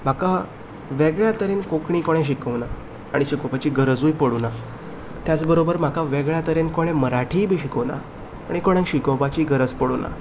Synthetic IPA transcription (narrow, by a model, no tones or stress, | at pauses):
m̤aka | ʋeɡɭjat̪əɾenkokɳ̃ĩkoɽ̃ẽɕ̬ikəwna | aɽ̃iɕikopat͡ɕiːɡəɾəd͡zuːjpəɽuna | t̪jat͡sbəɾobəɾm̤akaʋeɡɭjat̪əɾenkoɽ̃ẽməɾaʈʰiːbʱiːɕikəʋna̰ː | ɽ̃ikoɽ̃ẽŋkɕikəpat͡ɕiːɡəɾəd͡zpəɽuna̰